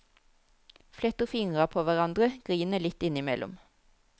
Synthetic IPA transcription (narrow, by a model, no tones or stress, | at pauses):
flɛt̪əfɪŋʁɑpʰoːʋæʁɑnd̪ʁəɡ̥ʁiːnəlɪt̪ɪnɪmɛlʔʊ̰m